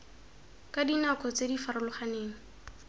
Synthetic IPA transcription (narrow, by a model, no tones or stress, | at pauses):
kʼadinakʼɔt͡sedifaɾʊlʊχaneːŋ̩